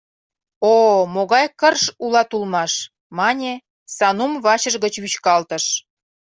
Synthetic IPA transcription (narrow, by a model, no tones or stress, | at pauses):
omoɣɑjkərʃulɑt̪ulmɑʃ | mɑnʲe | sɑnumβɑt͡ɕəʒɣət͡ɕβyt͡ɕkɑlt̪ə̆ʃ